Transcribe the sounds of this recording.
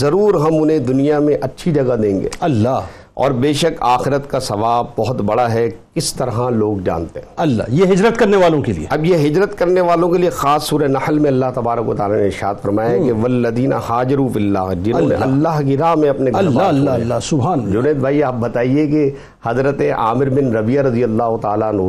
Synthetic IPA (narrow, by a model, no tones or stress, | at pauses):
zɐɾuːɾɦɐmʊnɦẽd̪ʊnijamẽʔɐtːʃʰid͡ʒɐɡad̪ẽːŋɡḛːɐlːa | ɔ̰ːɾbeːʃəkaːxɪɾət̪kasɐʋaːb̚bɐɦʊt̪bɐɽaɦɛkɪst̪ɐɾɦaloːɡd͡ʒa̰ːnt̪eɦɛ̃ːɐlːa̰ːjeɦɪd͡ʒɾət̪kɐɾneʋaːlõkelḭḛɐbjeɦɪd͡ʒɾət̪kɐɾneʋaːlõkeliexaːsːuːɾɐnɐxəlmẽɐlːaɦt̪ɐbaːɾəkʋɐt̪aːlaneɪɾɪʃa̰ːd̪fɐɾmaːjaɦkeʋɐlːɐd̪iːna̰haːd͡ʒɪɾufɪlːaːɦd͡ʒɪnɐõmḛ̃ʔɐlːaːɦkiɾaːɦmẽɐpneɡʱɐasʊbɦaːnd͡ʒʊneːd̪̚bʱaːiaːp̚bɐt̪aːieke | hɐzɾət̪eʔa̰ːmɪɾbɪnɾɐbijaɾɐd̪ijɐlːaːɦʊt̪aːlaɐnɦu